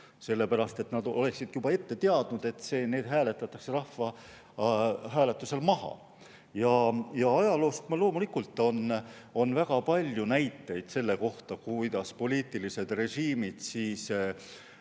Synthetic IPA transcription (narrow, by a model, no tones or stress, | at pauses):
se̞lːe̞pæɾɑst̪e̞t̪nɑd̪o̞le̞ksid̪̥jubɑe̞t̪ːe̞t̪e̞ɑd̪̥nud̪̥e̞t̪ːˑse̞ːne̞ːd̪̥ɦæːle̞t̪ːˑɑt̪ːˑɑkserɑhvɑ | ɦæːle̞t̪ːˑuse̞lmɑɦɑ̰ | jɑjɑɑjɑlo̞ːst̪mɑlo̞ːmulikult̪ːˑo̞n | o̞nvæɡ̥ɑpɑlʲjunæjt̪ˑːe̞jd̪̥se̞lːe̞ko̞ht̪ɑkujd̪̥ɑspo̞lʲiːt̪ːˑilise̞d̪̥re̞ʒiːmid̪̥siːs